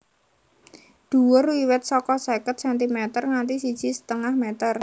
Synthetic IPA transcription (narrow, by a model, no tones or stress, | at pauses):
d̪̥ṳwʊrwiwɛt̪̚sɔkɔsekət̪̚sɛnt̪̬imet̪ərŋant̪isid̥ʒ̥i̤sə̥t̪əŋahmet̪ər